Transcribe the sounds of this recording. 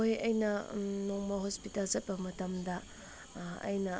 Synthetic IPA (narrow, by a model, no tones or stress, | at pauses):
ojɐjnɐnoŋmɐhospitalzɐt̚pɐmɐtɐmdɐ | ɐ̰jnɐ